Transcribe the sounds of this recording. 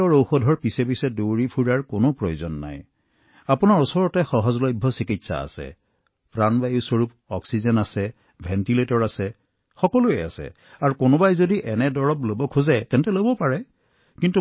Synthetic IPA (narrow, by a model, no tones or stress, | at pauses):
ɔɹowxodʱɔɹpisepisɛdowɹipʰuɹaɹkonopɹojozɔnːa̰j | apunaɹusɔɹɔtɛxɔɦɔzlɔjbʱːɔsikitsa̰a̰sɛ̰ | pɹanbajusoɹup | ɔksizɔnasɛ | bʱɛntiletɔɹasɛ | xɔkɔlʊɛa̰sɛ̰ | aɹukonobajzodiʔɛnɛdɔɹɔplobɔkʰuzatɛntɛlobɔpaɹɛ | kintu